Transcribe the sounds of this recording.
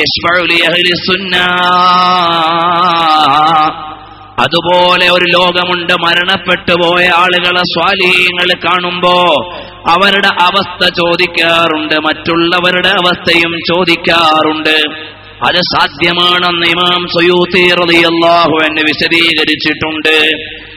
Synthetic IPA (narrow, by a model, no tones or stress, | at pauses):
jɐɕfɐʕulijɐɦilisunːɐ | ɐ̰ðubo̞ːle̞o̞ɾulo̞ːɡɐmuɳɖɨmɐɾɐɳɐpːe̞ʈːupo̞ːjɐaːɭuɣɐɭeswaːliɦijɐŋːɐɭkaːɳumbo̞ː | ɐʋɐɾuɽe̞ʔɐʋɐst̪ɐt͡ɕo̞ːd̪ikʲːaːruɳɖɨmɐtːuɭːɐʋɐɾuɽe̞ɐʋɐst̪ʰɐjumt͡ɕo̞ːd̪ikʲːaːruɳɖɨ | ɐ̰ðɨsaːd̪ʱjɐmaːɳenːɐimaːmsujuːt̪irɐðijɐlˠːaːɦuenːuʋiɕɐðiːɣɐɾit͡ɕːiʈːuɳɖɨ